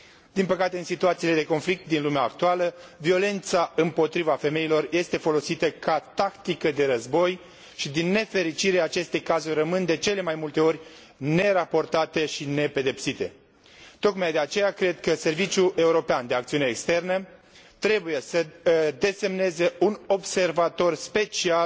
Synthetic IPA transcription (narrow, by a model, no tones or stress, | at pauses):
d̪̥inpəkat̪eɨnsit̪uat̪siːle̞d̪e̞ko̞nflik̚t̪̚d̪inlumeaːk̚t̪ualəvio̞le̞nt̪saɨmpo̞t̪ɾivafe̞me̞ilo̞rje̞st̪e̞fo̞lo̞sit̪əkʰat̪akt̪ikəd̪e̞ɾəzbo̞j | ʃid̪inːe̞fe̞ɾit͡ʃiɾeat͡ʃe̞st̪ekazurəmɨnd̪e̞t͡ʃe̞le̞majmult̪e̞o̞rʲ | ne̞ɾapo̞rt̪at̪e̞ʃine̞pe̞d̪e̞psit̪e̞ | t̪o̞kmajd̪e̞at͡ʃe̞jakɾe̞d̪̚kəse̞rvit͡ʃjuʔe̞uɾo̞peand̪eakt̪siuneːkst̪e̞rnə | t̪ɾe̞buje̞səd̪e̞se̞mne̞ze̞uno̞bse̞rvat̪o̞rspe̞t͡ʃial